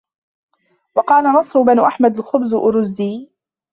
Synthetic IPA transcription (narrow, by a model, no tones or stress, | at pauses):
wɑqɑːlanɑsˤɾʊbanʊʔaħmad̪alxʊbzʔʊɾʊzːiː